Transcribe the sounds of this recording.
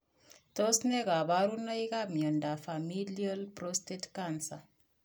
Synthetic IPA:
to˦sne˦ka˨βa˦ɾu˦nɔ˦i˦ka˦mjɔ˨nda˨fa˨mi˦lia˦lpɾostetkansa˨

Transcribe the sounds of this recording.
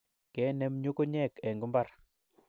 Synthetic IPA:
kɛ˨˦nɛ˦mɲo˦ko˦ɲɛ˦˨kɛ˨ŋɡu˦mba˦˨r

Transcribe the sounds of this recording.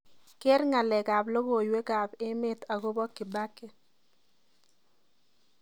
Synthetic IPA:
ke˦ɾŋa˨lɛ˨ɡa˨blo˦ɡo˨jwe˦ɡa˨bɪ˦mɪ˦t̪a˨ɡo˦bɔ˦kɪ˨ba˦ke˨

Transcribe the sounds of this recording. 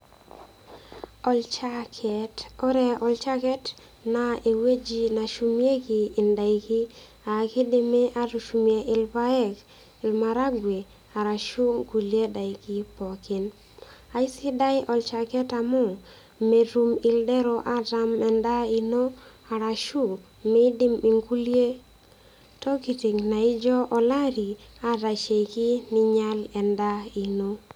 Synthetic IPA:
ɔ˨lt͡ʃa˦kʰɛtɔ˦ɾɛ˨ɔ˨lt͡ʃa˦kɛ˦t | na˨e˨we˦d͡ʒi˨na˨ʃu˨mje˦kiː˨nda˨i˨ki˦ | a˨ke˦de˦me˦ʔa˦ɾu˨ʃu˨mje˨ʔɪ˨lpa˦ɛ˦k | ɪ˨lma˨ɾa˦ɡwe˨ | a˨ɾa˨ʃu˦ŋɡu˨lje˦da˨i˨ki˦pɔ˨kɪ˨n | a˨ɪ˦sɪ˦da˦jʔɔ˨lt͡ʃa˨kɛ˦ta˨mɔ˦˨ | me˨ɾu˦mɪ˨ldɛ˦ɾo˨ʔa˦ta˦mɛ˨nda˦i˨no˦ | a˨ɾa˨ʃu˦˨ | mɛ˦dɪ˦mi˨ŋɡu˦lje˦ | tɔ˦ki˨ti˨ŋna˨i˦d͡ʒɔ˦ʔɔ˨la˦ɾi˨a˦ɾa˨ʃe˨jkɪ˦nɪ˦ɲa˦lɛ˨nda˦i˨no˦

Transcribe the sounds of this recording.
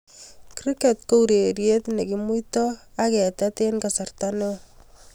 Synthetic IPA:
kɾike˨tko˦u˨ɾe˨ɾje˦t̪ne˨kimu˦tɔakɛ˨tate˦nka˨sa˨rtane˦

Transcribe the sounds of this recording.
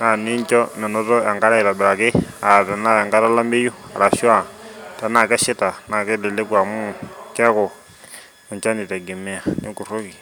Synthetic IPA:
na˨ni˦nt͡ʃɔ˦nɛ˨nɔ˦tɔ˦ja˨ŋɡa˦ɾa˦i˨ta˨bɛ˨ɾa˨ke˦a˨tɛ˨na˦˨ja˨ŋɡa˦ɾa˦la˦mbe˦ju˦a̰˨ɾa˨ʃwa˦˨ta˨na˨kɛ˦ʃi˦ta˨na˨ke˦lɛ˨le˦kwa˨mu˦ka˦kɔ˨ | u˨ɲt͡ʃa˦ni˨ta˨ɡi˨mɛ˦a˨nḭ˦ku˨ɾo˦ki˨

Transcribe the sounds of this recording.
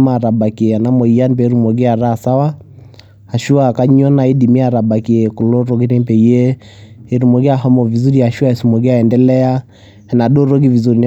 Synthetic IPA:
ma˨ɾa˨ba˨ki˨ɛ˨a˨na˦mɔ˨i˨a˦ni˦pɛː˨˦ɾu˦˨mɔ˨ɡe˦a˨ɾa˦sa˦waː˦˨ | ʃu˦a˨ka˦ɲɔ˦na˨e˦di˨mi˦a˨ɾa˨ba˨ki˨ɛ˨ku˨lo˦ɾo˦ɡi˦ɾe˦mpɛ˨i˦ɛː˦˨ | ɾu˨mɔ˨ɡi˦aɦɔ˦mɔ˨vi˨zu˦ɾia˨ʃu˦a˦ɛ˨su˨mɔ˨ɡi˦aɛ˨ndɛlɛ˦a˦ | ɛ˨na˨ɗo˦ɾo˦ɡi˦vi˨zu˨ɾi˨n

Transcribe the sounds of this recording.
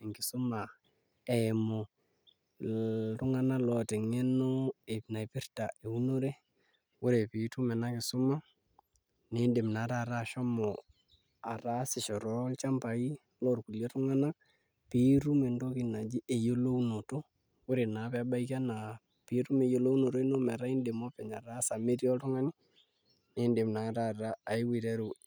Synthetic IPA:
ɪ˨ŋkɪ˨sʊ˦ma˨ | ɛ˨mo˨ | tʊ˦ŋa˦na˦lɔ˨tɛ˨ŋe˦no˦e˨pna˨pɪ˦rta˨e˨u˦no˦ɾe˦ | wʊ˦ɾe˨pi˨tu˦mɛ˨na˦kɪ˨sʊ˦ma˦ | ne˨˦de˨mna˨˦ɾa˦˨ɾa˦ʃɔ˦mɔ˨ | a˨ɾa˦sɪ˨ʃɔ˨ɾɔ˦lt͡ʃa˦mpa˨i˦ | lɔ˦rku˨le˦tʊ˦ŋa˦na˦k̚ | pi˦ɾu˦me˨ndo˦kɪ˨na˨d͡ʒi˦ʔe˨jo˦lo˦uno˨to˦ | wʊ˦ɾe˨na˨pɛba˦i˦ka˦na˨ | pɪ˨ɾu˦me˨jo˨lo˦u˦no˨to˦i˦no˦mɛ˨ɾa˦i˦nde˨mɔ˦pɛ˨ɲa˨ɾa˦sa˨me˦ɾjɔ˦ltʊ˦ŋa˦nɪ˦ | ne˦nde˨mna˨ɾa˦ɾaː˦˨ɪ˦wi˨ɾe˦ɾu˨

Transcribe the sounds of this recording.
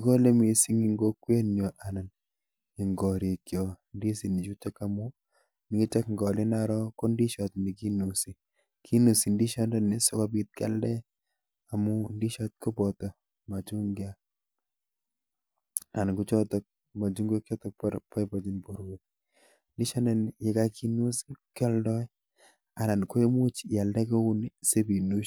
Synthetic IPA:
ko˦le˦mi˨si˦ŋi˦ŋɡo˦kːwe˦njɔ˨ʔa˨na˨n | i˨ŋɡɔ˨ɾi˨kjɔ˨ | ndi˦si˨ni˨t͡ʃu˦t͡ʃa˦ka˦mu˦ | ni˦ki˦t͡ʃa˦kŋɡɔ˨lɪ˦na˦ɾɔ˦ko˦ndi˦ʃɔ˨tni˨ki˦nu˨si˨ | kʰi˦nu˨si˨ndi˦ʃɔ˦ndɔ˦ne˦so˦ka˦bi˦t̪̚ka̰˦ldɛ˦ | a˨mu˦ndi˦ʃɔ˦t̪̚ko˦bɔ˨tɔ˨ | ma˨t͡ʃu˦ŋɡja˦ | a˨nku˦t͡ʃɔ˦tɔ˨k̚ | ma˨t͡ʃu˦ŋɡo˦kjɔ˦tɔ˨k̚pɾpa˦jpa˨t͡ʃi˦npo˨ɾwo˨k̚ | ndi˦ʃɔ˦ndɛ˨nje˦ka˦ki˦nu˦sikjɔ˦ldɔ˦j | a˨na˨nko˦e˦mu˦t͡ʃja˨ldɛ˦ko˦u˦nse˦bi˨nu˦

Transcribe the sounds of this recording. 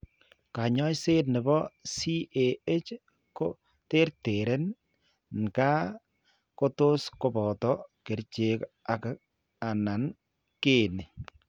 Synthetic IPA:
ka˨ɲɔ˦jse˦tnɪ˨bɔ˦si˦ʔe˨e˦t͡ʃ | ko˦ | te˦ɾte˨ɾe˦n | n˨ka˦ | ko˦to˦sko˦bɔ˨tɔ˦ke˨ɾt͡ʃe˦ka˨ka˨ | a˨na˨n | ke˦˨ne˨

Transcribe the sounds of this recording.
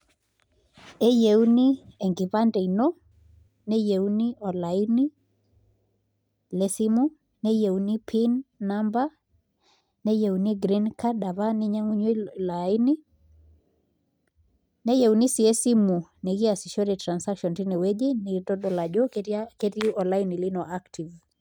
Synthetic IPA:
ɛ˦je˨u˦ni˦ɛ˨ŋɡi˨βa˦ndɛ˨i˨nɔ˦ | nɛ˦jɛ˨u˦ni˦ɔ˨la˨ini˦ | lɛ˦si˦mu˦ | nɛ˦jɛ˨u˨ni˦pʰi˦nːamba˦ | nɛ˦je˨uni˦ɡɾinkada˨βa˦ni˦ɲa˦ŋu˦ɲwelaini˦ | nɛ˦je˨uni˦si˨ɛsi˦mu˨nɛ˨ɣi˦asi˨ʃɔ˦ɾɛtɾa˨nsakʃɔ˨nti˦nɛ˨wɛ˦ʄe˦nɛ˨tɔ˦ɗɔ˨la˨ʄɔ˦kke˦ti˦ɔ˨la˦ini˨li˦nɔ˨ʔaktʰi˨v

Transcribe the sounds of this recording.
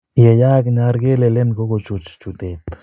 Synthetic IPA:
ja˨ja˦ɡna˧ɾɡe˦le˧le˦nɡo˦ɡo˧t͡ʃu˨t͡ʃt͡ʃu˨d̪e˨t̪

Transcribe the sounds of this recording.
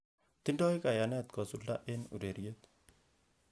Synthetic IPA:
t̪i˦ndɔ˦ika˨ja˨nɛ˦t̪kɔ˨sulda˦ʔe˦nṵ˨ɾe˨ɾjet̪

